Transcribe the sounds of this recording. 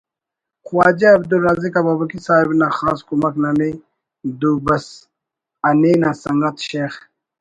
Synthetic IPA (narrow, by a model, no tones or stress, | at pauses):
qwaːd͡ʑaɐbd̪ulːaːzikababɐkisaːibnaxaːskumɐknane | d̪ubɐs | ɐneːnasɐŋɡɐt̪ɕeːx